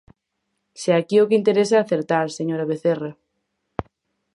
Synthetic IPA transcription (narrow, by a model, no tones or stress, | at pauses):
seakiʊkɪint̪eɾesaːθeɾt̪aɾseɲoɾɐβeθerɐ